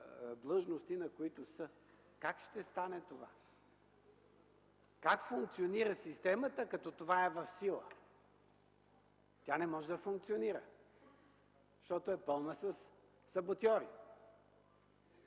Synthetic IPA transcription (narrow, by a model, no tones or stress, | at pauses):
d̪lˠɤʒnost̪inɐkoit̪ʊsə | kakʃt̪ɛst̪anɛt̪ova̰ | kakfʊŋk̚t̪sioniɾəsist̪ɛmət̪əkɐt̪ɔt̪ovaɛvɐfsilˠə̰ | t̪ʲjanɛmɔʒɛd̪ɐfʊŋk̚t̪sioniɾə | ʃt̪ɔt̪oɛpɤlˠnəsəsː | ɐbot̪ʲɔɾḭ